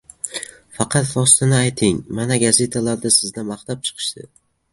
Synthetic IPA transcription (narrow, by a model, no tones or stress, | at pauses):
fɑqʰɑt̪vɒst̪ʰanɪajt̪ʰɪŋmanaɡaze̞t̪ʰalaɾd̪asɪzd̪amaχt̪ap̚t͡ʃʰɨ̥qʰɨ̥ʃt̪ɪ̰